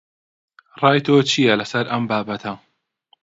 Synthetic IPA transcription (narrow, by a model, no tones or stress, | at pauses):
rˤɑːjt̪ʰoːt͡ʃʰijɐlɐsɐɾɐmbaːbɐt̪ʰɐ